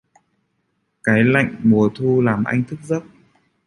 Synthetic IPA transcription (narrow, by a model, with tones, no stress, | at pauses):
kaː˨˦jla̰˧˨jŋ̟mu˨˩ət̪ʰu˧laː˨˩mʔa˧jŋ̟t̪ʰɨ˦˥k̚zə˦˥p̚